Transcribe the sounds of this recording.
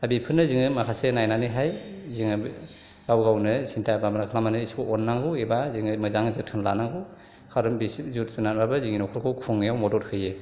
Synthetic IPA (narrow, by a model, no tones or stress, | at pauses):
abipʰɯnɯziŋɯmakʰasenajnaniɦajziŋɯ | ɡ̥awɡawnɯsintʰababanakʰlamanɯiskoɔnːaŋɡuebaziŋɯmɯzaŋzɯtʰɯnlanaŋɡu | kʰaɾɯmbiszut̚sunat̚babɯziŋinɔkʰɯɾkʰɯwkʰuŋːjawmɔdɔt̚hɯje